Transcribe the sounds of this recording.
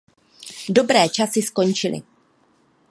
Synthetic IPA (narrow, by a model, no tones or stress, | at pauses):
do̞bɾɛːt͡ʃasɪsko̞nt͡ʃɪlɪ̰